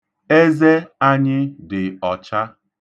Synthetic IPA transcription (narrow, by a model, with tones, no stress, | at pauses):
e˦ze˦a˦ɲɪ˦dɪ˨ɔ˨t͡ʃa˦